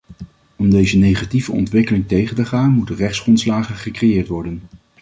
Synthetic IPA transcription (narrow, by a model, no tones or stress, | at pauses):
ɔmdejzənejχativəɔ̰ntʋɪkəlɪŋtejχəntəχaːnmutənrɛχtsχrɔntslaːχənχəkrejɪːɹtʋɔɹdən